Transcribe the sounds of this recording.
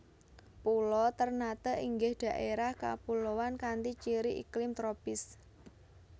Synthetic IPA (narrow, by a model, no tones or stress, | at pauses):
pulɔt̪ərnat̪əʔiŋɡɪhd̪̥a̤ʔeɾahka̰pulowankant̪it͡ʃiɾiʔḭklɪmt̪ɾopɪs